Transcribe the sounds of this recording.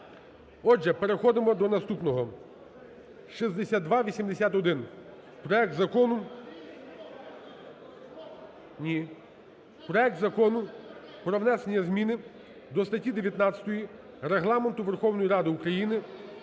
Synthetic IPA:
ɔʒɛpeɾexɔd̪ɪmɔd̪ɔnɐst̪upnɔɦɔ | ʃizd̪esʲad̪̚d̪ʋɑʋʲisʲimd̪esʲat̪ɔd̪ɪn | pɾɔjɛk̚t̪zɐkɔnʊ | nʲi | pɾɔɛk̚t̪zɐkɔnʊpɾɔwnɛse̞nʲːɐzmʲinɪ | d̪ɔst̪ɐtʲid̪eʋʲjɐt̪nɑt͡sʲɐt̪ɔji | reɦlˠɑment̪ʊʋe̞rxɔwnɔjiɾɑd̪ɪukɾɐjinɪ

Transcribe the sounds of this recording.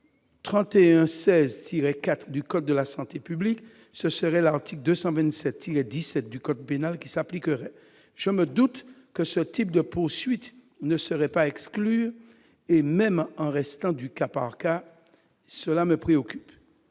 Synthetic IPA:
t̪χɑ̃t̪eɛ̃sɛzt̪ʰiʁɛkat̪χd̪ykɔt̪̚d̪əlasɑ̃t̪epyblik | səsəʁɛlaʁt̪ʰikld̪øsɑ̃vɛ̃nsɛt̪ːiʁɛd̪isɛt̪̚d̪ykɔt̪̚penalkʲisaplikəʁɛ | ʒ̥əməd̪ut̪kəsət̪ip̚d̪əpuʁsɥit̪ | nəsəʁɛpaɛkskly | emɛmɑ̃ʁɛst̪ɑ̃d̪ykapa̰ʁka | səlaməpχeɔkʲyp

